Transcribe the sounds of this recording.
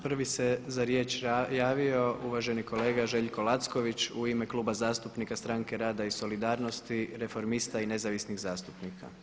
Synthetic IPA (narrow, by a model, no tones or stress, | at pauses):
pr̩ʋise̞zaɾje̞ːt͡ʃjaːʋio̞ʔuʋaʒe̞niko̞le̞ːɡaʒe̞ʎko̞lˠat̪skoʋit͡ʃuime̞klˠuːbazaːst̪upnikast̪ɾaŋke̞ɾaːd̪aiso̞lid̪aːɾno̞st̪iɾefo̞ɾmist̪aine̞zaʋisniɣzaːst̪upnikʰa̰